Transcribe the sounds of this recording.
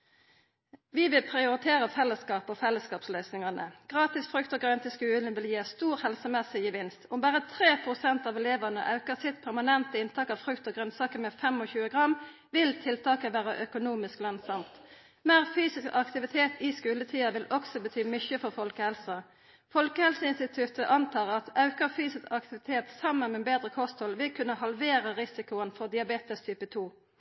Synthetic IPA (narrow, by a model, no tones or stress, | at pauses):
ʋɪʋɪlpʰʁɪʊʁɪt̪ʰeːʁəfɛləskɑːpɔfɛlːəskɑːpslœʏsnɪŋɑnə̰ɡ̥ʁɑːt̪ɪsfʁʉkt̪ɔɡʁœnt̪ɪskʉːlən̩ʋɪljiːst̪uːʁhɛlsəmɛsɪjəʋɪnst̪ʊmbæːʁət̪ʰɾeːpʰʁʊsɛnt̪ɑːʋɛleːʋəʁnə̰ʔɑʉkəsɪt̪pʰæʁmɑnɛnt̪əɪnt̪ʰɑːkɑʋfʁʉkt̪ɔːɡʁœnsɑːkəmɛfɛmɔçʉːəɡʁɑm | ʋɪlt̪ʰɪlt̪ʰɑːkəʋæːʁəʔœkʊnuːmɪsklœnsɑmt̪ | meːʁfyːsɪskɑkt̪ɪʋɪt̪ʰeːt̪ɪskʉːlət̪ʰiːɑʋɪlɔksɔbət̪ʰyːmʏçəfɔʁfɔlkəhɛlsə | fɔlkəhɛlsəɪnst̪ɪt̪ʰʉt̪əʔɑnt̪ʰɑːʁɑt̪ɑʉkəʁfyːsɪskɑk̚t̪ɪʋɪt̪ʰeːt̪sɑmːənmɛbeːd̪ʁəkʰɔst̪hɔlʋɪlkʰʉnːəhɑlʋeːʁəʁɪsɪkʊənfɔʁd̪ɪɑbeːt̪əst̪ʰyːpət̪ʰuː